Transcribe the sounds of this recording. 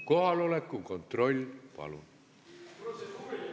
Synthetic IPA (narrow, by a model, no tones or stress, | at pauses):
ko̞hɑlo̞lekːˑuko̞nt̪ro̞lʲpɑ̰lṵn